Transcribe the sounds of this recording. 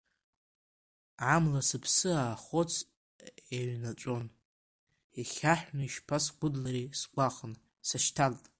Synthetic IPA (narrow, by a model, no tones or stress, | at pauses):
ʕamlasɨpʰsɨaːχot͡sʰ | aɥnat͡ʃʷʼo̞n | iχʲaħʷᶣnaiʃpʰasɡʷʊdlaɾisɡʷaχn | saʃtʰaltʼ